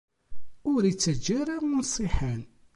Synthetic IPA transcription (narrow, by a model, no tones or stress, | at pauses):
ʊɾit͡sːəd͡ʒːaɾaʊnsˤɪħan